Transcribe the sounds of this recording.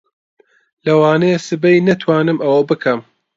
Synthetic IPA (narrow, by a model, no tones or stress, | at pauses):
lɐwaːnɐjesɨbɐjnɐt̪ʰwaːnɨmɐwɐbɨkʰɐm